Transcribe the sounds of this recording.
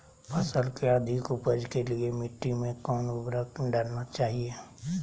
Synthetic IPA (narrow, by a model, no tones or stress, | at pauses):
pʰəsəlkeəd̪ʱɪkʊpəd͡ʒkeliemɪʈːimẽkɔːnʊbɾəkɖəɾnat͡ʃaːɦie